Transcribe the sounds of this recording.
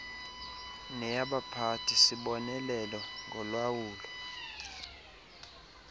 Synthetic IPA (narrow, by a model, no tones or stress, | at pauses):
nɛjaɓapʰatʰisiɓɔnɛlɛlɔŋɡʱɔlwawuːlɔ